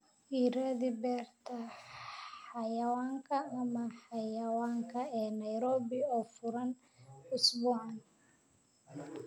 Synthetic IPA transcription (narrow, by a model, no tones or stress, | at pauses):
iːɾɐðibɛːrt̪ʰɐ | ħɑjɐwaːŋkʰɐːmɐħɑjɐwaːŋkʰɐɛːnɐjɾɔːβɪɔːfʊɾɐn | ʊsbʊʕɑn